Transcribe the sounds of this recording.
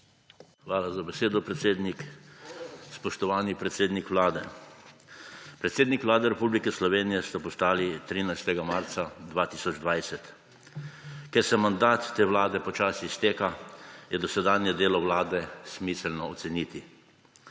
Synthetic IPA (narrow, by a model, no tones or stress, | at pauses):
xʋaːlazabɛseːd̪ɔpɾɛt̪seːd̪nik | spɔʃt̪ɔʋaːnipɾɛt̪seːd̪nikʋlaːd̪ɛ | pɾɛt̪seːd̪nikʋlaːd̪ɛɾɛpublikɛslɔʋeːnijɛst̪apɔst̪aːlit̪ɾiːnajst̪ɛɡamaɾt̪sad̪ʋaːt̪iːsɔd͡ʒd̪ʋajsɛt̪ | kɛɾsɛmand̪aːt̪ːeːwlaːd̪ɛpɔt͡ʃaːsist̪eːkajɛd̪ɔsɛd̪aːnjɛd̪eːlɔʋlaːd̪ɛsmiːsɛlnɔɔt̪sɛniːt̪i